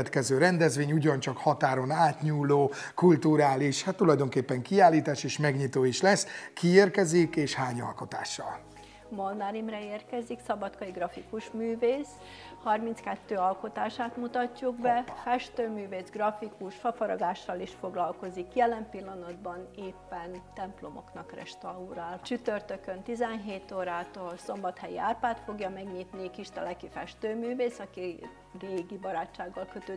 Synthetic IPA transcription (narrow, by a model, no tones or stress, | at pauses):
ɛt̪kɛzøːɾɛnd̪ɛzʋeːɲuɟɒnt͡ʃɒkhɒt̪aːɾo̞naːt̪ɲuːloː | kult̪uɾaːliʃhat̪ːulɒjd̪o̞ŋkeːpːɛŋkiaːlːiːt̪aːʃeːʃmɛɡɲit̪oːiʃlɛskʰieːrkɛzikeːʃhaːɲɒ̰lko̞t̪a̰ːʃːɒ̰l | molnaɾimrɛeːrkɛziksɒbɒt̪kɒjiɡrɒfikuʃmyːveːs | hɒrmint̪skɛt̪ːøːɒlko̞t̪aːʃaːt̪mut̪ɒcːuɡbɛfɛʃt̪øːmyːveːzɡrɒfikuʃfɒfɒɾɒ̰ɡaːʃːɒliʃfo̞ɡlɒlko̞zikjɛlɛmpilːɒnɒd̪bɒneːpːɛnt̪ɛmplo̞mo̞̰knɒkrɛ̰ʃt̪ɒuɾaːlt͡ʃyt̪ørt̪økønt̪izɛnɦeːt̪oːɾaːt̪ɒso̞mbɒt̪hɛjia̰ːrpaːt̪fo̞ɡjɒmɛɡɲit̪nikiʃt̪ɛlɛkifɛ̰ʃt̪øːmyːveːsɒki | reːɡibɒɾaːt͡ʃːaːɡːɒlkøt̪øː